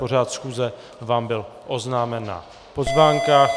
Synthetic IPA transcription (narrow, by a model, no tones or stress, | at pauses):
por̝aːt̪sxuːzɛ | vaːmbɪlʔo̞znaːmɛna̰ | po̞zvaːŋkaːx